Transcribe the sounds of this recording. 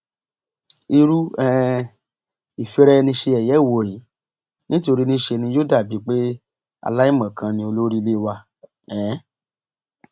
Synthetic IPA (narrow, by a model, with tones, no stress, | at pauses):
i˧ɾu˦ɛ˦ | i˨fi˧ɾɛ˦˧nĩ˧ʃe˧ɛ˨jɛ˨˦˨wo˨˧˨ɾi˨˦ | nĩ˦to˧ɾi˦nĩ˦ʃe˧nĩ˧jo˦da˦˨bi˨˦k͡pe˦ | a̰˧la˦i˦˨mã˨kʰã˧nĩ˧o˧lo˦ɾi˦˧le˦˧wa˧ | ɛ̃˨˦